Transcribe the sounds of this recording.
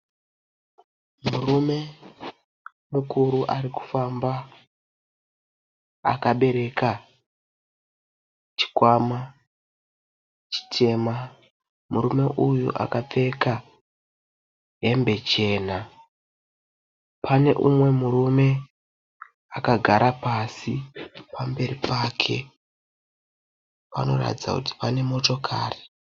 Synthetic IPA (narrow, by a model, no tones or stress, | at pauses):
murume̞ | mukuɾuʔaɾiku̥famba | a̰kaɓe̞ɾe̞ka | t͡ʃi̥kwama | t͡ʃi̥tʰe̞ma | muɾume̞ʔujṵʔa̰kap͡fe̞ka | ɦembe̞t͡ʃe̞ːna | pʰane̞̰ʔumwe̞murume̞ | akaɡʱaɾapasipambe̞ripaːkʰe̞̰ | pa̰no̞̰ra̰tid͡za̰kuti̥pane̞mo̞to̞kʰa̰ːri